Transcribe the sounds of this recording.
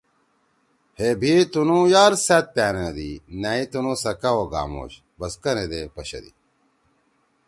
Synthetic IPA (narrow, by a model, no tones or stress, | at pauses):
hebʱit̪unũjaːɾsɐt̪̚pæːnɐd̪inɐit̪unusɐkɐwoɡa̰ːmo̰ːɕ | bɐskɐned̪epɐɕɐ̰d̪ḭ